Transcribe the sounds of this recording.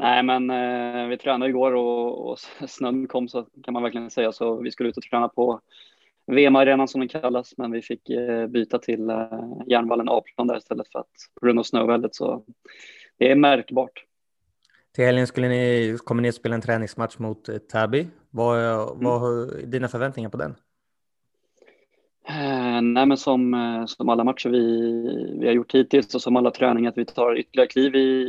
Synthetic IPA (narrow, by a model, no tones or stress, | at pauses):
nʔæɪmɛnvɪt̪ʰɾɛːnad̪əɪɡoːɾɔɔ̰snœnnkʰɔmːsɔkʰanmanvæɾklɪɡənsɛjːasɔvɪskɵlːʉ̟t̪ɔt̪ʰɾɛːnapʰɔ | veːmaɾeːnansɔmd̪ɛnkʰalːasmɛnvɪfɪkːbyːt̪at̪ʰɪljæːɳvalːənʔɑ̰ːpʰlɔnd̪æ̰ɾɪst̪ɛlːət̪fœɾa̰t̪pʰɔɡɾɵnd̪aːvsnœ̰ːvɛld̪ət̪sɔ̰ | d̪̥ɛːmæɾkbɑːʈ | t̪ʰɪlhɛljənskɵlːənɪkʰɔmːənɪspeːlaɛnt̪ʰɾɛːnɪŋsmat̪ʂmʊt̪ʰːabɪ | vavad̪iːnafœɾvɛnt̪nɪŋaɾpʰɔd̪ɛ̰n | nɛːmɛnsɔmsɔmalːamat̪ʂəɾvɪ | vɪ̰haɾjʊʈːʰiːt̪ɪlsɔsɔmalːat̪ʰɾɛ̰ːnɪŋaɾat̪vɪt̪ʰɑːɾʏt̪ːəlɭɪaɾəkʰliːvɪ